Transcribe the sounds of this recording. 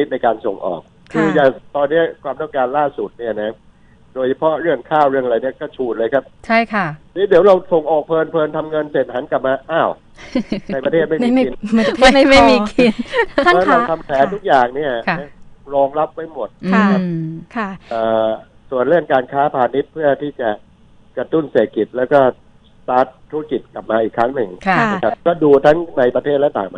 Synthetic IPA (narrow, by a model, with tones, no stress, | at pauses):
ni˦t̪̚na˧jkaː˧nso˨˩ŋʔɔ̰ː˨˩k̚ | kʰːɯː˧jaː˨˩t̪ɔː˧nːi˦˥ɐkʰwaː˧mt̪ɔ˥˩ŋkaː˧nlaː˥˩su˨˩t̪̚ni˥˩ɐna˦˩˥ | doː˧jt͡ɕʰa˧pʰɔ˦˥ɾɯ˥˩əŋkʰaː˥˩wɾɯ˥˩əŋ˧ɾa˧˩jni˥˩ɐkɔː˥˩t͡ɕʰuː˨˩t̪̚lɤː˧jkʰa˦˥p̚t͡ɕʰa˥˩jkʰa˥˩liː˦˥di˩˦wɾa˧wso˨˩ŋʔɔː˨˩k̚pʰɤː˧npʰɤː˧nt̪ʰa˧mŋɤ˧nse˨˩t̪̚ɦa˩˦nka˨˩p̚maː˧ʔaː˧˥˩w | na˧jpɾa˧t̪ʰeː˥˩t̪̚ma˥˩˧i˧na˧˩˥ma˥˩jmiː˧kʰi˧n˥˩ɛː˦˥a˧wt̪ʰa˧mk̪ʰɛː˨˦nt̪ʰu˦˥k̚jaː˨˩ŋni˥˩ɐna˦˥ɾɔː˧ŋɾa˦˥p̚ːa˧jmo˨˩t̪̚nʰ˧˥˩kʰa˦˥kʰa˥˩ʔɤː˨˩ | su˨˩ənɾɯ˥˩əŋkaː˧nkʰaː˦˥pʰaː˧ni˦˥t̪̚pʰɯ˥˩ɐt̪ʰiː˥˩t͡ɕa˨˩ | kɾa˧t̪u˥˩nseː˨˩t̪̚ki˨˩t̪̚lɛː˦˥wkɔː˥˩ | t̪aː˦˥t̪ʰːu˦˥a˥ki˨˩t̪̚kla˨˩p̚maː˧ʔiː˨˩kʰɾa˦˥ŋnɯ˧ŋʰa˦˧kʰa˦˩kɔː˥˩duː˧t̪ʰa˦˥ŋna˧jpɾa˧t̪ʰeː˥˩t̪̚lɛ˦˥t̪aː˨˩ŋma˧